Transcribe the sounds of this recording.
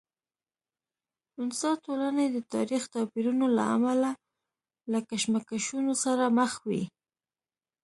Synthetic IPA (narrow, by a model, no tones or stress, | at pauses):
ʊnsɑt̪olanad̪ət̪ɑɾixt̪ɑpiɾunola̰a̰mala | lakaʃmakaʃunosaɾaməxwḭ